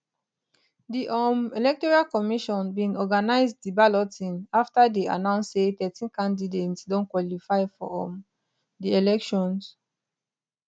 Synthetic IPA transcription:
diʔɔmɛlɛk̚tɔɹalkɔmiʃɔ̃nbĩŋɔɡanaɪzddibalɔtʰĩnaftadea̰nãʊ̃nssetɛtĩnkãndidetsdɔ̃nkwɔlifaɪfɔ̰ɔm | dielɛkʃɔ̃ns

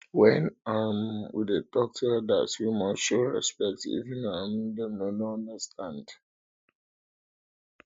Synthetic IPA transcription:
wɛ̃nãɪmwḭdətɔk̚təda̰twimaʃoɹɛ̰spɛk̚tḭvĩnamdɛmnoñndəstʰãnd

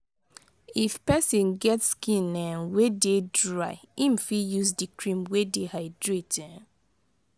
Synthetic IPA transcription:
ifpɛsĩnɡɛtskĩnɛnwededɹaɪim̩fijuzdikʰɹĩmwedehaɪdɹetɛ̃

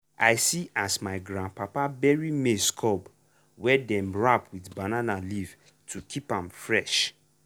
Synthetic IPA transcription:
ajsiʔasmaɪɡɹãnpapabɛɹimeskʰɔb | wɛdɛ̃mɹapwidbananaliv | tʰukʰipãmfɹɛʃ

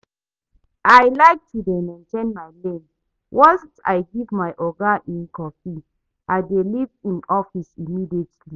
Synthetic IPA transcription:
ʔajlaɪk̚tʰudemɛ̃ntʰẽnmajlẽn | wʔɔ̃nssa̰jɡivmaɪʔɔɡaʔĩnkɔfi | ʔaɪdelivĩnɔfisimidietli

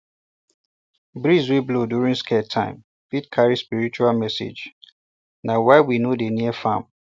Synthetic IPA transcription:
bɹizwiblodjuɹĩŋskʰɛtʰã̰ɪ̃m | fidkʰaɹispiɹit͡ʃualmɛsḛd͡ʒ | nawaɪwinodeniəfãm

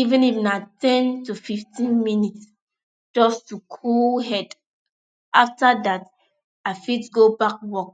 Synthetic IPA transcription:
ivĩnifnatɛ̃ntufiftʰĩnminits | d͡ʒ̥ɔstukʰulɦɛd | ʔaftadat | aɪfitɡobak̚wɔk̚

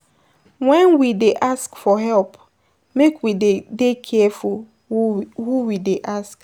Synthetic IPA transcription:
wɛ̃nwideʔaskfɔɦɛlp | mekwidekʰɛɛful | huwideʔask

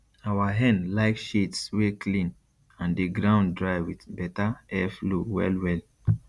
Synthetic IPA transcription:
awaɦɛ̃nlaɪkʃetswekʰlĩn | ãndeɡɹãʊ̃ndɹaɪwidbɛtaɛfluwɛ̰lwɛl

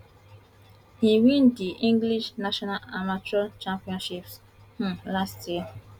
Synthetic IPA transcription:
hiwĩndiʔĩŋɡliʃnaʃɔnalamat͡ʃɔlt͡ʃãmpiɔ̃nʃips | h̩lastje

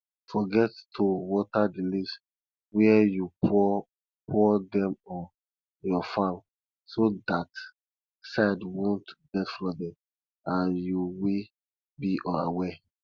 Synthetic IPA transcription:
fɔɡɛttʰuwɔtʰadilis | wɛjupɔ | pʰɔdɛ̃mɔ | jɔfãm | sodat | saɪdwõntɡ̥ɛtflɔdɛ̃m | ãnjuwi | biʔɔ̃awɛ

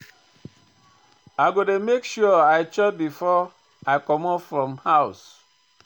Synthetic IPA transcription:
aɡodemekʃuɔaɪt͡ʃɔt̚bifɔ | aɪkɔmɔpfɾɔmhaʊs

